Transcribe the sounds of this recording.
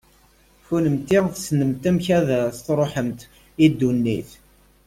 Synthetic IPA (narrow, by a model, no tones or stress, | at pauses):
funəmt̪ɪʁθsnəmt̪æmçæðæst̪ɾˤoħəmt̪ | id̪ːunːiθ